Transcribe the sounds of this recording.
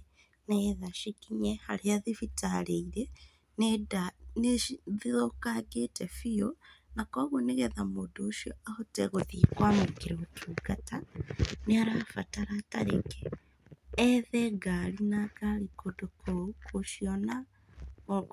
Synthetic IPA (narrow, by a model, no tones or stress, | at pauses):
nɛðaʃikiɲɛhaɾeaðifitaɾeiɾe | nedaneðiðokaɡetɛfionakɔɣoneɣɛðamodoːʃiɔahotɛɣoðikwamokiɾeɣotʰuːɡataneaɾafataɾata̰ɾḛkɛ̥ː | ðɛɡaɾinakalikodokʰɔukoʃiɔna | o